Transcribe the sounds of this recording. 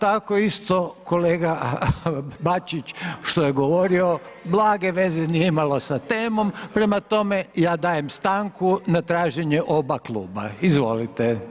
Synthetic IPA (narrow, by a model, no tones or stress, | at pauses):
t̪akoist̪o̞koleːɡa | bat͡ʃit͡ʃʃt̪ojeɡo̞ʋoɾio̞blˠaːɡeʋe̞zenijeimalo̞sat̪e̞ːmo̞mpɾe̞mat̪o̞mejaːd̪aːjemst̪aŋkunat̪ɾaːʒeɲeʔo̞baklˠṵːba̰izʋo̞̰lit̪e